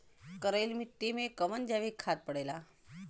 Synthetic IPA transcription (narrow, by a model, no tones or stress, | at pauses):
kəɾelmiʈːimekəʋənd͡ʒaʋikʰːat̪̚pəɽela